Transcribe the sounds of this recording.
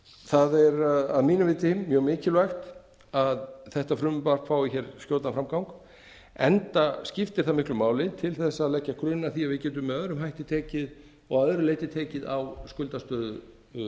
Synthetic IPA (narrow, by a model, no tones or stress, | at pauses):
θaðɛɾaðmiːnavɪːt̪ɪmːjœɣmɪːcɪlvajxt̪ | aðθɛht̪afɾʏmʏpar̥kfaːwɪçɛɾskjoːwt̪nafɾamkawŋk | ɛnt̪ascɪft̪ɪɾ̥θamɪhklʏmaːwlɪt̪ʰɪlθɛsːaːðlɛcːakʰɾʏnːaθiavɪðcɛːt̪̬ʏmːɛðœðɾʏmɦajht̪ɪt̪ʰeːcɪð | ɔɣœðɾʏleːjt̪ɪt̪ʰeːcɪðawskʏlt̪ast̪œːðʏ